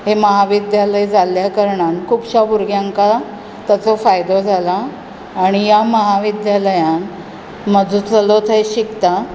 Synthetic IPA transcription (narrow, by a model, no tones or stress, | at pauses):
ɦeməɦaʋid̪jaləjd͡zʱaljakəɾɳankʰupɕabuɾɡjaŋka | t̪jat͡sɔfajd̪od͡zʱalaː | ɽ̃ijaməɦaʋid̪jaləjãn | məd͡zʱut͡səlot̪ʰəjɕikt̪a